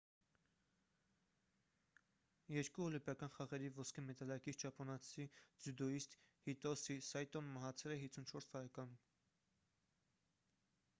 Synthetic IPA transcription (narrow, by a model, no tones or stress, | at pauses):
jɛɾkuɔlimpjɑkɑnχɑʁɛɾivɔskʰəmɛt̪ɑlɑkit͡sʰt͡ʃʰɑpʰɔnɑt͡sʰid͡zud̪ɔist̪hit̪ɔsisɑjt̪ɔnmɑɦɑt͡sʰɛlɛɦit͡sʰunt͡ʃʰɔɾst̪ɑɾɛkɑnum